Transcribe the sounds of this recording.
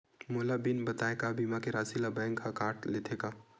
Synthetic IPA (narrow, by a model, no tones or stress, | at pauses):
moːlabinbɐt̪aːekabiːmakeɾaːsilabɛ̃ːŋkʰːakaːɾʈleːt̪ʰeːɡaː